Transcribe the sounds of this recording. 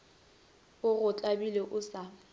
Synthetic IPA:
ʊɣʊt͡ɬʼabileʔʊsa

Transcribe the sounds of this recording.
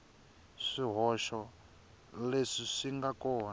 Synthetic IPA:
ʂiɦɔʃɔ | leʂiʂiŋɡakɔːn

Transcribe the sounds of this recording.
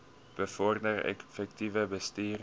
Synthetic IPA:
b̥əfɔrdərɛ̰kfɛk̚tivəbəstiːr

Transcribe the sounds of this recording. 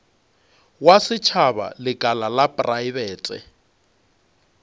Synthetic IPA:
wasɪt͡ʃʰaba̰lɪkʼalalapʼraibɛːtʼɪ̰

